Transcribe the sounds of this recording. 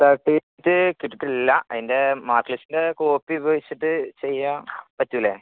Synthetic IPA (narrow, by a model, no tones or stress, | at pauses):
t̪aːʈːi | tːɨkiʈːiʈːilːɐɐ̰ðinde̞maːrklisinde̞koːpːiubɐʋit͡ɕːiʈːɨt͡ɕejːãːpɐtːuʋile